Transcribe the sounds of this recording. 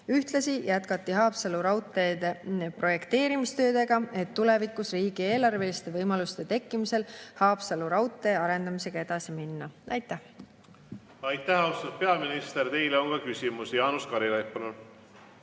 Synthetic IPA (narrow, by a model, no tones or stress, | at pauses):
yht̪lɑsijæt̪kɑt̪ːiɦɑːpsɑluɾɑwt̪ˑːe̞ːd̪epro̞je̞kt̪e̞ːɾimist̪ø̞ːd̪e̞ɡ̥ɑe̞t̪ːule̞vikːˑusriːɡ̥ie̞ːlɑrve̞list̪e̞vɤjmɑlust̪e̞t̪e̞kːˑimise̞lhɑːpsɑluɾɑwt̪ˑːe̞ɑɾe̞nd̪ɑmise̞ɡ̥ɑe̞d̪̥ɑsiminːɑʔɑjt̪ːˑæh | ɑjt̪ːæhɑwst̪ɑpe̞ɑminist̪e̞rt̪e̞jleonkɑkysʲimusjɑːnuskɑɾilɑjpːɑnul